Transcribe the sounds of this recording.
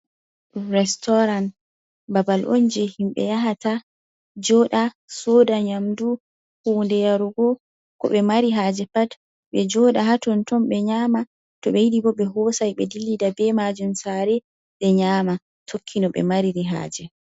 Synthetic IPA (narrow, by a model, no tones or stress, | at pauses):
ɾɛstɔɾan | babalʔo̰nd͡ʒɛhimɓɛ̰jaɦata | d͡ʒɔːɗa | soːdaɲamdu | hundɛjaɾuɡɔ | kɔ̰ɓɛmaɾiɦad͡ʒɛpat | ɓɛd͡ʒɔɗaɦatɔntɔnɓɛɲaːma | tɔɓɛjidibɔɓɛɦɔsajɓɛdilːidabɛmad͡ʒumsaɾɛ | ɓɛɲaːma | tʰokʰːinɔɓɛ̰maɾiɾiɦa̰ːd͡ʒɛ